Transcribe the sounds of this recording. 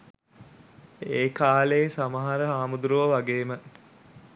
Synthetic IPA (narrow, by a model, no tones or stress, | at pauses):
eːkaːleːsamaɦaɾəɦaːmud̪uɾuʋəʋaɡeːmə